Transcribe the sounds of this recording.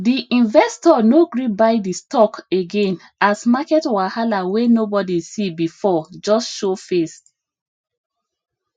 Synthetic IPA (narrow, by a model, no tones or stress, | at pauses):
diʔĩnvɛstɔnoɡɹibaɪdistɔkeɡẽn | asmakɛtwahalawenobɔdisibifɔd͡ʒɔsʃofes